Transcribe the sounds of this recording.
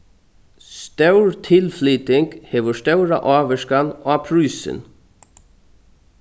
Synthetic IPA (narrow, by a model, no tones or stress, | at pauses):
st̪œwɹt̪ʰɪlfliːt̪ɪŋkhɛːʋʊst̪œwɾa̰ʔɑːʋɛʂkanapʰɾʉːsɪ̰n